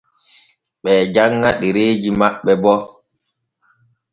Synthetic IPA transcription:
ɓɛːd͡ʒaŋːaɗiɾeːd͡ʒimaɓːɛbɔ

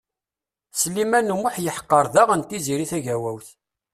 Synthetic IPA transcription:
slimænumʊħjəħqːəɾˤðæʁænt̪iziɾiθæʝæwæwθ

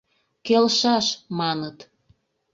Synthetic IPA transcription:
kelʃɑʃmɑnət̪

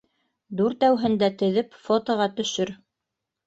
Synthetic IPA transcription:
d̪uɾt̪æwɦɘ̆nd̪æt̪ɘ̆ðɘpfot̪ŏʁɑt̪ɵ̆ʃɵɾ

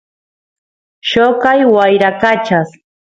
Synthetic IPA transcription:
ʃokajwajɾakat͡ʃas

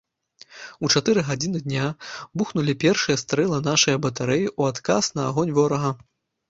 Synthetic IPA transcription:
ut͡ʂat̪ɨɾɨɣad͡zʲinɨd̪ʲnʲabuxnulʲipʲɛrʂɨjɐst̪ɾɛlˠɐnaʂɐjɐbɐt̪aɾɛjiʔuat̪kasnɐ̰ːɣɔnʲvɔɾɐɣɐ

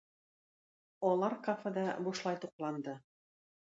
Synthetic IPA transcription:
ɒlˠɑɾkafɤd̪ɑbuʃlˠɑjt̪uqlˠɑnd̪ɤ

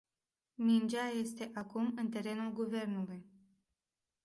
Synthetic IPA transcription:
mind͡ʒaje̞st̪e̞ʔakumɨnt̪e̞ɾe̞nulɡuve̞rnuluj

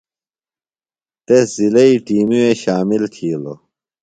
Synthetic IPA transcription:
t̪eszilɐiʈiːmueɕaːmilt̪ʰiːlo̰

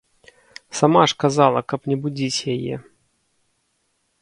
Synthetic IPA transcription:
samaʂkazalˠɐkɐpnʲɛbud͡zʲit͡sʲjajɛ̰

